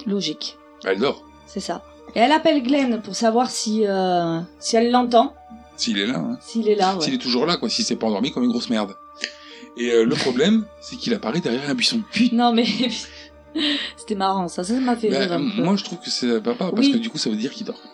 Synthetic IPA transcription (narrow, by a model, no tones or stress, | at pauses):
lɔʒik | baɛld̪ɔːʁ | sɛsa | eɛlapɛlɡlɛnpuʁsavwaʁsiøsiɛlːɑ̃t̪̬ɑ̃ | siːlɛla̰ɛ̃siːlɛlawsɛiilɛt̪uʒuʁlakwasisɛpaɑ̃d̪ɔʁmikɔmynɡʁosmɛʁd̪ | eøləpχɔblɛmsɛkilapaʁɛd̪ɛʁjɛʁɛ̃bɥisɔ̃d̪əpɥinɔ̃mɛ | se̥t̪ɛmaʁɑ̃sasasamafɛbʁɛpømwaʒət̪χuvkəsɛt̪ɛ̃papawaʁiskəd̪ykusavød̪iʁkild̪ɔ̰ʁ